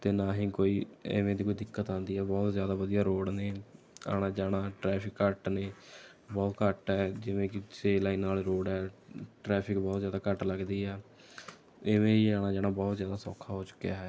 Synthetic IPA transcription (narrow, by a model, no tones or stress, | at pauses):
t̪eːnaːɦĩːkoːiːɪ̰ʋẽːd̪iːkoːid̪ɪkːət̪ãːnd̪iːɦɛːbɔːt̪zjaːd̪aːʋəd̪ijaːɾoːɽneː | a̰ːɽ̃aːd͡ʒaːɽaːʈɾɛːpʰɪkːəʈneː | bɔːt̪kəʈɛːd͡ʒɪʋẽːkɪseːlaːiːnaːlɾoːɽɛːʈɾɛːpʰɪkbɔːt̪zjaːd̪aːkəʈləɡd̪iːɦɛː | ɪʋẽːiaːɽ̃aːd͡ʒaːɽ̃aːbɔːt̪zjaːd̪aːsɔ̰ːkʰaːɦoːt͡ʃʊ̥kɪjaːɦɛː